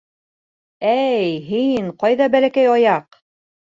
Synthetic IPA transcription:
æjɦiɴqɑjðɑbælækæjɑjɑq

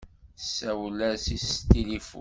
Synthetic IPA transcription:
sːæwlæsist̪ilifṵ

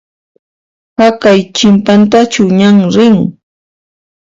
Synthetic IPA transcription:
hakajt͡ʃɪmpant̪at͡ʃʊɲaŋɾɪŋ

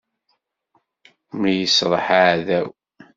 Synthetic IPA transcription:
mjəsɾˤə̰ħaʕðæw

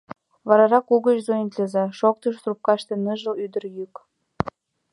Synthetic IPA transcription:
βɑɾɑɾɑkuɣət͡ɕzojint̪lʲezɑʃok̚t̪əʃsrup̚kɑʃt̪ĕnəʒə̆lyd̪əɾjyk

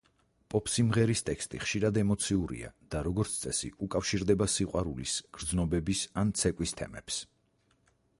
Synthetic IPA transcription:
pʼɔpʰsimʁɛɾist̪ʼɛkst̪ʼiχʃiɾad̪ɛmɔt̪sʰiuɾḭa̰d̪̥aɾɔɡɔɾt̪sʰt̪sʼɛsḭukʼafʃiɾd̪ɛbasiqʼwaɾulisɡ̥ɾd̪znɔbɛbisant̪sʰɛkʼwist̪ʰɛ̰mɛ̰ps

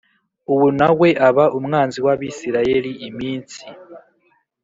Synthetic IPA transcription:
uβunawe̞ʔaβaʔumŋaːnziwaβisiɾaje̞liːmiːnt͡si

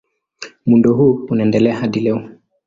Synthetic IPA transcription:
mundɔɦuːunaɛndɛlɛahaɗilɛɔ

